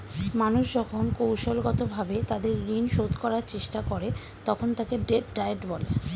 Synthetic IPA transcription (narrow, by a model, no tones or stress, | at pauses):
manuʃd͡ʑɔkʰonkowʃolɡɔt̪obʱabet̪ad̪eɾːinʃot̪kɔɾaɾt͡ɕeʃʈakoɾe | t̪ɔkʰont̪akeɖeʈɖajeʈbɔlḛ